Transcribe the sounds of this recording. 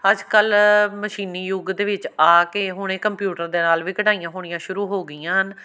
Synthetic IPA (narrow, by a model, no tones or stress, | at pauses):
əd͡ʒkəlməʃiːniːjʊɡd̪eːʋɪt͡ʃaːkeːɦʊɽ̃eːkəmpjuːʈəɾd̪eːnaːlʋiːkəʈaːijãːɦoːɽ̃ĩjãːʃʊɾuːɦoːɡəijãːɦən